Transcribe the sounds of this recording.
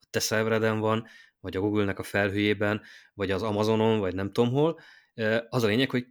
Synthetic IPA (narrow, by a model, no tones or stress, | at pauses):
ɒt̪ɛsɛvɾɛd̪ɛɱvɒn | vɒɟɒɡuɡylnɛkɒfɛlɦøjeːbɛnvɒɟɒzɒmɒzo̞no̞nvɒɟnɛmt̪o̞mɦo̞l | øɒzɒleːɲɛkhoc